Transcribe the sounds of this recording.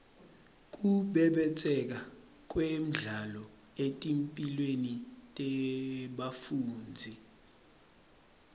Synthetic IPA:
k̬ʼuɓɛɓɛt͡sʼɛk̬a | k̬ʼwem̩ɮalɔ | etʼimpʼilwenitʼɛɓafuːnd͡zʱi

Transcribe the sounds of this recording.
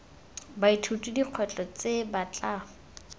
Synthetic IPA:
baitʰutʼidiq͡χʰwɛt͡ɬʼɔt͡sebat͡ɬa

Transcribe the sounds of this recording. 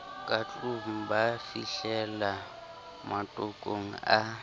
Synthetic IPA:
kʼat͡ɬʼum̩bafiɬɛla | matʼʊkʼoŋ̩a

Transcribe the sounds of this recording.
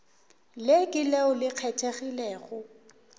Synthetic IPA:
lekʼɪleʊlɪq͡χʰɛtʰeɣilɛːɣʊ

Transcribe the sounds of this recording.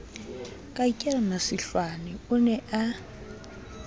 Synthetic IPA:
kʼaikʼɛranasɪɬwanɛʊnɛʔa

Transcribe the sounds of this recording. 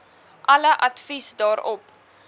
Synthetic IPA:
ʔɐləʔɐtfisdɑːɾɔp

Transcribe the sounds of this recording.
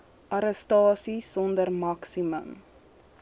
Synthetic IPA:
ʔɐɾəstɑːsisɔndərmɐksimə̰m

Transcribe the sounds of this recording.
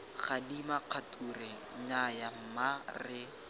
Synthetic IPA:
χadimaq͡χʰatʼurɛ | ɲajam̩marrɪ

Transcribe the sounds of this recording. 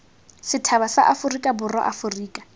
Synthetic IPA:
sɪtʰaβasaʔafʊrikʼabʊrɔ̰ʔafʊriːkʼḁ

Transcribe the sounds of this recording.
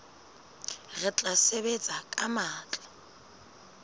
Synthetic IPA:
rɪt͡ɬʼasebet͡sʼakʼamaːt͡ɬʼɔ̥

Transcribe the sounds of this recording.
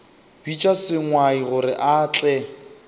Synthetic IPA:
b̥it͡ʃʼasɪŋwaiɣʊɾɪʔaːt͡ɬʼɛ

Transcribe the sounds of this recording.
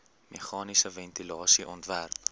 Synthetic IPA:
meχɑːnisəvɛntilɑːsiʔɔntværp̚

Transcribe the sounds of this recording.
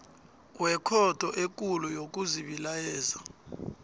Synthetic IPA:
wɛkʰɔtʰʼɔʔek̬ʼulɔjok̬ʼuziɓilajɛːza

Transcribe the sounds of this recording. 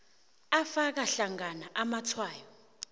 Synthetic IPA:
afak̬aɬaŋanaʔamatʰwaːjɔ

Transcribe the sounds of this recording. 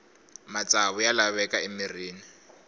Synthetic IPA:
mat͡sʼaβʊjalaβɛkaɪmiriːni

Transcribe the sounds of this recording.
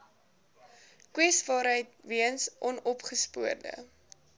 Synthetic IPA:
kwɛsvɑːɾɦəjtviənsʔɔnɔpχəspuərdə̰

